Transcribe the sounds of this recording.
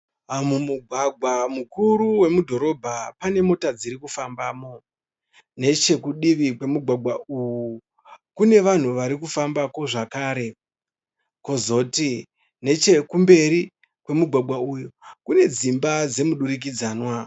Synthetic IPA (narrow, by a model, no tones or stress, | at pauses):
amumuɡʱwaɡʱwamukuɾuwe̞mudʱo̞ɾo̞bʱapane̞mo̞tad͡ziɾikufambaːmo̞ | ne̞t͡ʃe̞kuɗiʋikwe̞muɡʱwaɡʱwauwu | kune̞ʋan̤uʋaɾikufambakwo̞ʐakaːɾe̞ | ko̞zo̞ti | ne̞t͡ʃe̞kumbe̞ɾi | kwe̞muɡʱwaɡʱwaujukune̞d͡zimbad͡ze̞muɗuɾik̬id͡zaːnwa